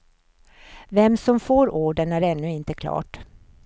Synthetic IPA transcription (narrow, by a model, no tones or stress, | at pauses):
vɛmːsɔmfoːɾoːɖənæɾɛnːɵɪnt̪əkʰlɑ̰ːʈ